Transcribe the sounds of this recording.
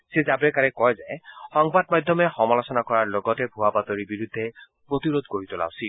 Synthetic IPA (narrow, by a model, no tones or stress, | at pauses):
sezabɛkaɹɛkɔjzɛxɔŋbadmadʱɔmɛxɔmalɔsɔnakɔɹaɹloɡɔtɛbʱuwapatoɹibiɹudʱːɛ | pɹotiɹodkoɹitʊla̰ʊsil